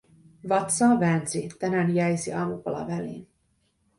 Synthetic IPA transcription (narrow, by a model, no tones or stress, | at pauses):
vɑt̪sɑvɛnzit̪ɛnɛnjɛjsiɑmukolɑ̰vɛlḛːn